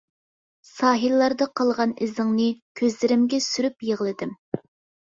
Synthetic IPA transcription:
sɑːɦilːɑɾd̪ɑqʰɑlˠʁɑnɪzɪŋnɨkʲʰøzlɪɾɪmɡʲɛsyɾypjeʁlˠɨd̪ɪm

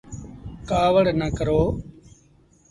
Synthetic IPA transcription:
kaːʋəɽnəkəɾoː

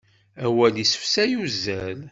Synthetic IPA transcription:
æwælisə̥fsæjuzːæl

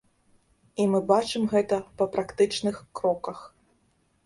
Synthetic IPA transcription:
imɨbat͡ʂɨmɣɛt̪ɐpɐpɾakt̪ɨt͡ʂnɨxkɾɔkɐx

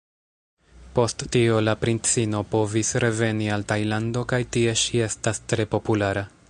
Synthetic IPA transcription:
po̞stːio̞lapɾint͡sino̞po̞visɾe̞ve̞nialtajlando̞kajtie̞ʃie̞stastɾe̞po̞pulaɾa

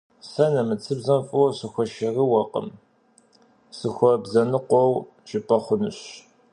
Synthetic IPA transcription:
sɐnɐmɨt͡sʰɨbzɐmfʼɐwsɨxʷɐʃɐriwɐqə̰m | sɨxʷɔbzɐnɨqʷɔw | ʒʼɪpʼɐχʷʊnɨɕ

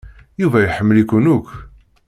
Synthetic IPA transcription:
juvæjħəmːəlikʊnʊkː

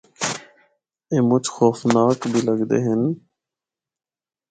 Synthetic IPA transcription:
eːmʊt͡ʃʰxoːfnaːkbʱiːləɡd̪ḛːɦɪn

